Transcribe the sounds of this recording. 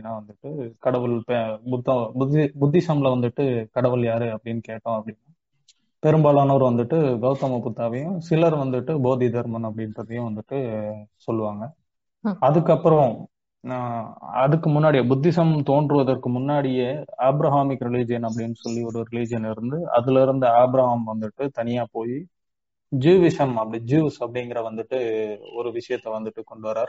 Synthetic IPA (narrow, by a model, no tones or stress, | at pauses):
ɐɽɪnːaːʋɐnd̪ɯʈːɯkɐɽɐʋɯlpɛbʊt̪ːɐbd̪bʊd̪ːɪsɐmlɐʋɐnd̪ɯʈːɯkɐɽɐʋɐljaːɾɯɐpːɐɽɪnːɯkeːʈːõːɐpːɐɽɪnːaː | pɛɾɯmbaːlaːnɐɔɾɯʋɐnd̪ɯʈːɯɡɐʊt̪ɐmɐpʊt̪ːaːʋɐjʊ̃sɪlɐɾʋɐnd̪ɯʈːɯboːðid̪ɐɾmɐnɐp̬ːɽɪnɾɐðɐjʊ̃ʋɐnd̪ɯʈːɯsɔlːɯʋaːŋɡɐː | ðɯkːɐpːɯɾɐ̃ | ɐðɯkːɯmʊnːaːɽɪjɐbʊd̪ːɪsɐmt̪oːɳɖɾɯʋɐðɐɾkɯmʊnːaːɽɪjɐaːbɾɐɦaːmɪkːɾɪlid͡ʒɪjɐnɐp̬ːɐɽɪnːɯsɔlːiɔɾɯɾɪlid͡ʒɪjɐnɪɾɯnd̪ɯɐ̰ðɯlɪɾɯnd̪ɯaːbɾɐɦaːmʋɐnd̪ɯʈːɯt̪ɐnɪjaːpoːji | d͡ʒiːʋɪʂɐmɐpːɐɽɪd͡ʒiːʋsɐpːɐɽɪŋɡɪɾɐʋɐnd̪ɯʈːɯɔɾɯʋɪʂɐjɐt̪ːɛʋɐnd̪ɯʈːɯkɔɳɖɯʋɐɾaːɾ